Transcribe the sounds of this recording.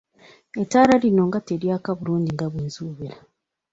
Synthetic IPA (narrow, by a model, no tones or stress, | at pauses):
etaːɾalino̞ŋɡateɾjaːkaβuluːɲɟiŋɡaβwiːnzuːβeɾa